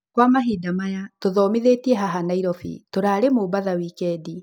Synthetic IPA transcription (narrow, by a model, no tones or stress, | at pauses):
kwamaɦidamajatoðɔːmiðetiɛɦaɦanaiɾɔfḭtoɾaːɾemobaðawikɛdi